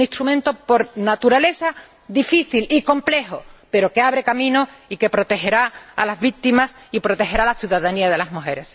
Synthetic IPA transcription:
nĩst̪ɾumẽnt̪opo̞ɾnat̪uɾale̞sa | d̪ifiθiliko̞mple̞hope̞ɾo̞ke̞aβɾe̞kamĩnoike̞pɾo̞t̪e̞ɦe̞ɾaa̰lazβik̚t̪imasipɾo̞t̪e̞ɦe̞ɾalaθjuðaðaniaðe̞lazmuɦe̞ɾe̞s

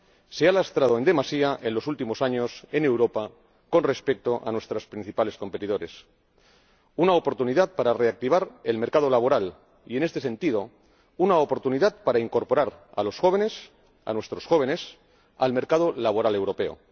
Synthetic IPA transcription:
se̞alast̪ɾað̞o̞e̞ne̞masiaʔe̞nlo̞sult̪imo̞saɲo̞se̞ne̞wɾo̞pa | ko̞nre̞spe̞k̚t̪o̞ʔa̰nwe̞st̪ɾaspɾin̟θipale̞sko̞mpe̞t̪ið̞o̞ɾe̞s | unaopo̞ɾt̪uniðat̪̚paɾare̞ak̚t̪iβ̞aɾe̞lme̞ɾkaðo̞laβo̞ɾal | ie̞ne̞st̪esẽ̞nt̪iðo̞ | unaopo̞ɾt̪uniðat̪̚paɾaiŋko̞ɾpo̞ɾaɾa̰lo̞sxo̞β̞e̞ne̞s | a̰nwe̞st̪ɾo̞sxo̞β̞e̞ne̞s | a̰lme̞ɾkað̞o̞laβo̞ɾale̞wɾo̞pe̞o̰

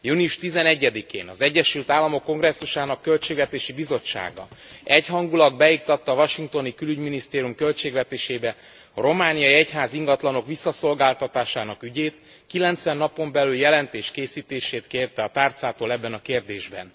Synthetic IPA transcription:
junijuʃt̪izɛnɛɟːɛd̪ikḛːnɒzɛɟːɛʃylt̪aːlːɒmo̞kːo̞ŋɡrɛsːuʃaːnɒkːølt͡ʃeːɡvɛt̪eːʃibizo̞t͡ʃːa̰ːɡɒ̰ɛchɦɒŋɡulɒɡ̚bɛjik̚t̪ɒt̪ːɒːvɒʃiŋk̚t̪o̞nikylyɟminist̪eːɾijumkø̞lt͡ʃeːɡvɛt̪eːʃeːbɛ | ɒɾo̞maːnijɒiɛcɦaːziŋɡɒt̪lɒno̞kʋisːɒso̞lɡaːlt̪ɒt̪aːʃaːnɒkyɟeːt̪ | kilɛnt̪sʋɛnːɒpo̞mbɛlyljɛlɛnt̪eːʃkeːsiːt̪eːʃeːt̪keːrt̪ɛɒt̪aːrt̪saːt̪oːlɛbːɛnɒkeːrd̪eːʒbɛ̰n

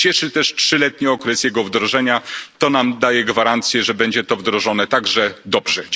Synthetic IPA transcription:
t͡ɕɛʂɘt̪ɛʂtʂɘlɛt̪̚ɲiɔkɾɛsjɛɡɔvd̪ɾɔʐɛɲat̪ɔnamd̪ajɛɡvaɾant̪sʲjɛʐɛbɛɲd͡ʑɛt̪ɔvd̪ɾɔʐɔnɛt̪aɡʐɛd̪ɔbʐɛ

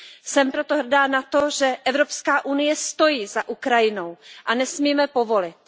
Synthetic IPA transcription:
sɛmpɾo̞t̪oɦr̩daːnat̪oʒɛʔɛvɾo̞pskaːʔunɪjɛst̪o̞jiːzaʔukɾajɪnowʔanɛsmiːmɛpo̞vo̞lɪt̪

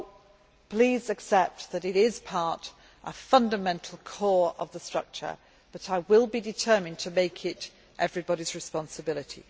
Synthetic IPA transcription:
pʰl̥izɨksɛp̚tðɨɾɪɾɪz̥pʰɑɹɾ | ʔəfʌ̃ndəmɛ̃ntʰˡl̩ˠkʰɔɹə̰vðəstɹ̥ʌ̰k̚t͡ʃə̰˞ | b̥ʌɾaɪwɪlˠbidɨtʰɜ˞mɨ̃ntʰəmeɪkʰɪɾ | ʔɛvɹibɑɾizɹɨspɑ̃nsəbɪlˠɨtʰḭ

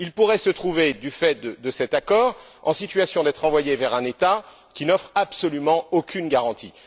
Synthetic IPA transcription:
ilpuʁɛsət̪χuved̪yfɛt̪̚d̪əsɛt̪akɔʁ | ɑ̰̃sit̪ɥasjɔ̃d̪ɛt̪χɑ̃vwajevɛʁɛ̃net̪a | kʲinɔfχapsɔlymɑ̃okʰʲynɡaʁɑ̃t̪ʰi

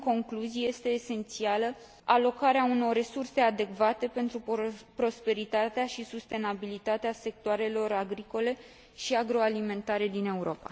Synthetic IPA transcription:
ko̞ŋkluzije̞st̪e̞ːse̞nt̪sialə | alo̞kaɾeauno̞rrːe̞surse̞ad̪e̞kvat̪e̞pe̞nt̪ɾupɾo̞spe̞ɾit̪at̪eaʃisust̪e̞nabilit̪at̪ease̞k̚t̪oaɾe̞lo̞ɾaɡɾiko̞le̞ | ʃiaɡɾo̞alime̞nt̪aɾe̞d̪ine̞uɾo̞pa̰

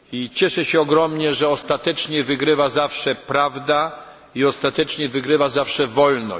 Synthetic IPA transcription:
it͡ɕɛʂɛɕɛɔɡɾɔmɲɛʐɛɔst̪at̪ɛt͡ʂɲɛvɘɡɾɘvazafʂɛpɾavd̪a | iɔst̪at̪ɛt͡ʂɲɛvɘɡɾɘvazafʂɛvɔlnɔ̰

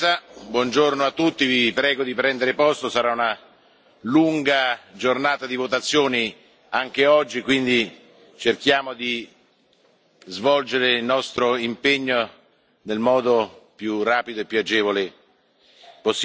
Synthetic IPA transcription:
abwɔnd͡ʒornoat̪ːut̪ːivipɾɛːɡod̪ipɾɛnd̪eɾepɔst̪osaɾauna | luŋɡad͡ʒornaːt̪ad̪ivot̪at̪sːjoːni | aŋk̟eɔd͡ʒːikwind̪i | t͡ʃerk̟jaːmod̪i | zvɔld͡ʒeɾeilnɔst̪ɾoimpeɲːo | nelmɔːd̪opjuraːpid̪oepːuad͡ʒɛːvole | pos

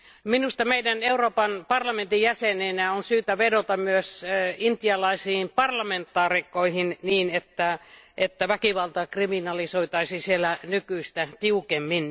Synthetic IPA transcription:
minust̪ɑmeidæneuroːpɑnpɑrlɑment̪ijæseneinæonsyːt̪æʋedot̪ɑmyøsint̪jɑlɑisiːmpɑrlɑment̪ːɑːrikːˑoihinniːnet̪ːæʔet̪ːæʋækiʋɑlt̪ɑkriminɑlisoit̪ɑisisielænykyist̪æt̪iukemːin

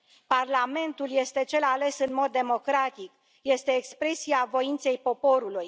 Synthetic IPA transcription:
parlame̞nt̪ulje̞st̪e̞t͡ʃe̞lale̞sɨnmo̞d̪ːe̞mo̞kɾat̪ik | je̞st̪e̞ːkspɾe̞siavo̞int̪se̞jpo̞po̞ɾuluj

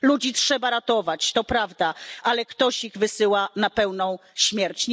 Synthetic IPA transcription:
lud͡ʑitʂɛbaɾat̪ɔvat͡ɕt̪ɔpɾavd̪aʔalɛkt̪ɔɕiɣvɘsɘwanapɛwnɔ̃w̃ɕmʲjɛɾt͡ɕɲ

